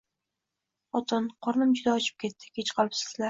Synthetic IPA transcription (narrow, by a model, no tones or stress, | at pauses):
ɒt̪ʰɨnqʰɒɾnɪmd͡ʒʊd̪aɒt͡ʃʰɪ̥p̚kʲʰe̞t̪ːɪ̥kʲet͡ʃqʰɒlˠɪpsɪ̥slaɾ